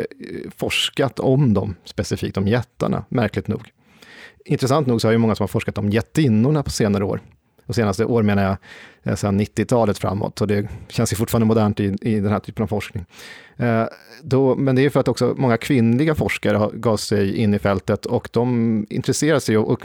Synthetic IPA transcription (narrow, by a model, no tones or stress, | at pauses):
fɔʂkat̪ʰɔmd̪ɔ̰mspɛsɪfḭːk̚t̪ɔmjɛt̪ːa̰ɳa̰mæɾklɪɡ̚t̪nṵːɡ | ɪnt̪ɾɛs̬ant̪nuːɡsɔhaɾjɵmɔŋːasɔmhaɾfɔʂkat̪̚d̪ɔmjɛt̪ːɪnːʊɳapʰɔ̥seːnaɾəo̰ːɾ | ɔseːnast̪əʔoːɾmeːnajasɛnːɪt̪ːɪt̪ʰɑːlət̪fɾa̰mːɔ̰t̪ːɔd̪ɛɕɛnsjɵfʊʈfːɾnəmʊd̪æːɳʈɪɪd̪ɛnhæːʈʰyːpənavfɔʂknɪŋ | d̪ɔmɛnd̪ɛæɾjʏfœɾat̪ːɔksɔmɔŋːakʰvɪnlɪɡafɔʂkaɾəhaɡɑːvsɛjɪnːɪfɛlt̪ət̪ʰɔkd̪ɔmɪ̰nt̪ɾɛseːɾad̪əsɛjɔʔɔ